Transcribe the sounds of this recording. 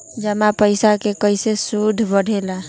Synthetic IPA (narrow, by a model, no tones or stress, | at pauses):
d͡ʒəmapəɪsakekəjsesud̪ʱːbəɽ̤ʱela